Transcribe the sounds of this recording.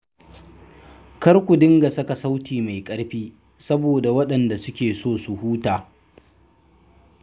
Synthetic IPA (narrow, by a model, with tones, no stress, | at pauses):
kɐ˦rkʷʊ˨dɪ˦ŋɡa˨sɐ˦ka˨sa˦wtiː˨ma˨jkʼɐ˦ɽɸiː˦ | sɐ˦boː˨da˨wɐ˦ɗɐ˨nda˨sʊ˦kʲeː˨soː˦˨su˨huː˦taː˨